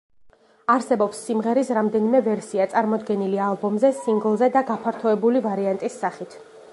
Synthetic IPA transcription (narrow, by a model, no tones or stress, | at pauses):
aɾsɛbɔpsːimʁɛɾisɾamd̪ɛnimɛvɛɾsiat̪sʼaɾmɔd̪ɡɛnilialˠbɔmzɛsiŋɡlˠzɛd̪aɡapʰaɾt̪ʰɔɛbulivaɾiant̪ʼisːaχit̪ʰ